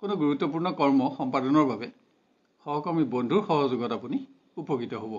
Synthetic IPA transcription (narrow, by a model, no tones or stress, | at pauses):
konuɡuɹutːɔp̬uɹnɔkɔɹmɔxɔmpadɔnɔɹbabɛ | xɔɦɔkɔɹmibondʱuɹxɔɦɔzuɡɔtapuni | upoɡitɔɦobɔ